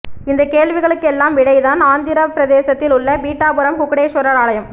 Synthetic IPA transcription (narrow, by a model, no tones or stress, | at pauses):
ɪnd̪ɐkeːɭʋɪɣɐɭɯkːɛlːaːmʋɪɽɐɪðaːnaːnd̪ɪɾɐpːɪɾɐðeːsɐt̪ːɪlʊɭːɐʋiːʈːaːbɯɾɐmkʊkːɐɽeːʂʊɾɐɾaːɭɐjɐm